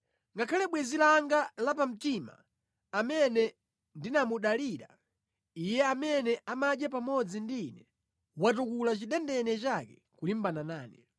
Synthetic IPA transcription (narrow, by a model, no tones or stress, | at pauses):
ŋɡakʰalɛɓwɛzilaŋɡalapam̩tima̰ː | mɛnɛ | ndinamuɗaliɾa | ijɛamɛnɛamaɗjap̬amɔd͡zindiːnɛ | watukulat͡ʃiɗɛndɛnɛt͡ʃakɛ | kulim̩bananaːni